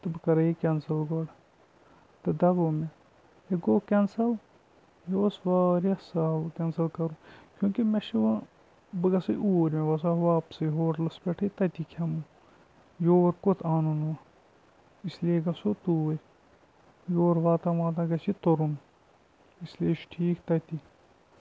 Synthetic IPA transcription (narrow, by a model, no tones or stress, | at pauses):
t̪ɐbkɐɾɐikʲɛnsɐlɡoːɖ | t̪ɐd̪ɐɡoːme | eɡoːkɛnsɐl | josʋaːɾɐsawkʲɛnsɐlkɐɾũkʲjũːkimeʃi | bɨɡɐsɐʔuːɾmẽʋɐsaɦʋaːpsɨɦoːɾlɐsbʲeʈʰet̪ɐt̪ikʰɐmu | joːɾkot̪ʰaːnuno | islieɡɐsot̪uːe | joːɾʋaːt̪ãʋãːt̪̬ɐ̃ɡɐsit̪oɾun | islieʃʈʰiːkt̪ɐt̪i